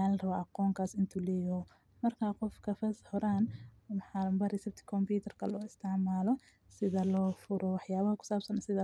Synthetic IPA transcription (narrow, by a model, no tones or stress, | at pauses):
aːlrɐβaʔɑqɔːŋkʰaːsɪnt̪ʰuːlɛːjɔhɔ | mɐrkʰaːqɔfkʰɐfɐshɔɾaːn | wħaːɾɐmbɐrɛsɛb̚t̪ʰɪ̥kʰɔmpuːt̪ʰɛrkʰɐlɔːɪst̪ʰaʕmaːlɔ | sɪðɐlɔːfʊɾɔwɑħjaːβɐhɐkʰʊ̥saːbsɐnsɪðɐ